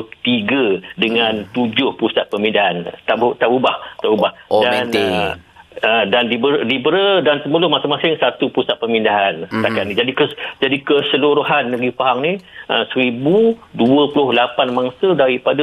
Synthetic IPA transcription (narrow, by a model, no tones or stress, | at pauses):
t̪iɡədəŋãnt̪ud͡ʒʊhpusat̪̚pəmĩndaɦant̪aʔbt̪aʔubaht̪aʔubahdan | ədandibəɾdibəɾədansəməlʊhmasɪŋmasɪŋsat̪upusat̪̚pəmindaɦanst̪akanid͡ʒadikəd͡ʒadikəsəluɾuɦanːaɡipaɦaŋniə̰səɾibuduəpulʊhlapanmaŋsədaɾipada